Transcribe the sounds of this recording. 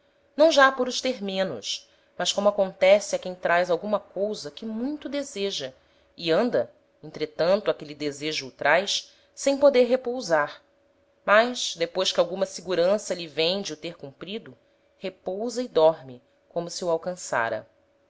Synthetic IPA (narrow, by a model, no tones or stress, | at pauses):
nɐ̃w̃ʒapʊɾʊʃt̪eɾmẽnʊ̰ʃ | mɐskõmʊakõnt̪ɛsɪɐkẽj̃t̪ɾajzawɡũmɐkowzɐkɪmũj̃t̪ʊd̪ezeʒɐ | iɐ̃nd̪ɐ | ẽnt̪ɾet̪ɐ̃nt̪ʊakelid̪ezeʒuːt̪ɾʔajs | sẽj̃pod̪eɾɦepowzaɾ | majʃd̪epojʃkɪawɡũmɐsiɡuɾɐ̃sɐʎivẽj̃d͡ʒɪut̪eɾkũmpɾid̪ʊ | hepowzɐɪd̪ɔɾmɪ | kõmʊsɪuawkɐ̃sa̰ɾɐ̰